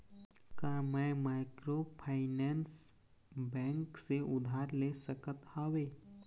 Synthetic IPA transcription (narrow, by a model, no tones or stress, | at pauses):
kamãmaːɪkɾopʰaːɪnɛːns | bɛ̃ːŋkseʔʊd̪ʱaːɾleːsəkət̪aːʋeː